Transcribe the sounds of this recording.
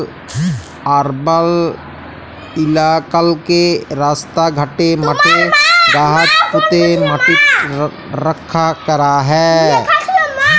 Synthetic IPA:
aːɾbəl | ɪlaːkəlkeɾaːst̪aɡʱəʈeməʈʰed̪aːɦət̪pʊt̪eməʈɪt̪ | ɾəkʰːakəɾaɦɛː

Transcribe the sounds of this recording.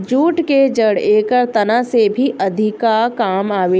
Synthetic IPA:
d͡ʒuːʈked͡ʒəɽeːkəɾt̪ɐnãsebʱiʔɐd̪ʱɪkakaːmaːʋeː

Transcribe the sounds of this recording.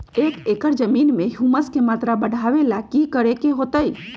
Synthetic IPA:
eːkeːkəɾd͡ʒəmiːnmẽɦuməskemaːt̪ɾabəɽʱaʋelakikəɾekeɦoːt̪əi

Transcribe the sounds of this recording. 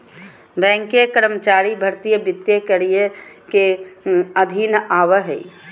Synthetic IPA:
bɛ̃ːŋkekəɾəmət͡ʃaːɾibʱəɾt̪ijəbɪt̪jekəɽijəke | əd̪ʱinaːʋəɦəi

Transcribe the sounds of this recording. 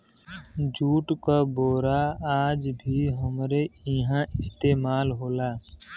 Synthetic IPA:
d͡ʒuːʈkaboːɾaaːd͡ʒbʱiɦəmɾeɪɦãʔɪst̪eːmaːlɦoːlaː

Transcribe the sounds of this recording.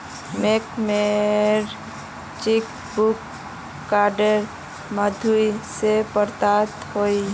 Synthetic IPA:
mekmeɾ | t͡ʃik | bukː | aɖəɾ | məd̪ʱuisepəɾt̪at̪hoi

